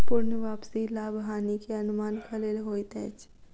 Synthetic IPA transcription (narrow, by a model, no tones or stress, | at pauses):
pʊɾnʋaːpsilaːbɦaːnikeɐnʊmaːnkʰɐleːlɦoːit̪ɛ̃ːt͡ʃ